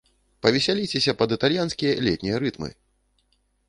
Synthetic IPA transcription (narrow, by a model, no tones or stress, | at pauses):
pɐvʲɛsʲalʲit͡sʲɛsʲɐpɐd̪ɨt̪alʲjanskʲijɐlʲɛt̪ʲnʲijɐɾɨt̪mɨ̰